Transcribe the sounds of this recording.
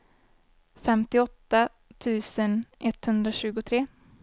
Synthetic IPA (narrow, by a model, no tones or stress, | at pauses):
fɛmt̪ɪɔt̪ːa | t̪ʰʉ̟ːsənʔɛt̪ːhɵnd̪ɾaɕʉ̟ːɡʊt̪ʰɾeː